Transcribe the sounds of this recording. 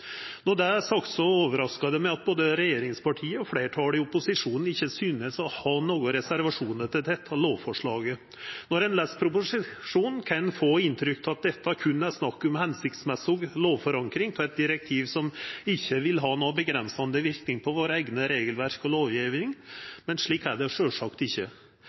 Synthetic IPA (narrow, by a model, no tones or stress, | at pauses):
nɔd̪ɛæsɑkt̪sɔoːʋəɾɑskɑd̪əmɛɑt̪̚boːd̪əɾɛjeːɾɪŋspʰɑʈʰiːəɔfleːʈʰɑːlɪʊpʊsɪʂuːnn̩ɪçːəsyːnəsɔhɑnoːɡʊɾɛsæɾʋɑʂuːnəʈ̪ɪld̪ɛt̪ʰːɑloːʋfɔʂɭɑːɡə | nɔɾɛnlɛspʰɾʊpʊʂɪʂuːnkʰɑnfoːɪnt̪ʰɾʏkt̪ʰɑt̪̚d̪ɛt̪ːɑkʰʉnːæɾsnɑkːɔmhɛnsɪkt̪smɛsɔɡloːʋfɔɾɑŋkɾɪŋt̪ʰɔɛt̪̚d̪ɪɾɛk̚t̪ʰiːʋsɔmɪçːəʋɪlɦɑːnoːbəɡɾɛnsɑnd̪əʋɪɾknɪŋpʰɔʋoːɾəɛɪɡnəɾeːɡəlʋæɾkɔloːʋjiːʋɪŋmɛnʂɭiːkːæɖɛʂøːʂɑkt̪ɪçːə